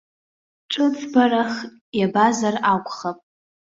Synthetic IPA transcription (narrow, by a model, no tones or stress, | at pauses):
ʈ͡ʂʷʼɨt͡sʰʼbaɾaχ | jabazarakʷʼχapʼ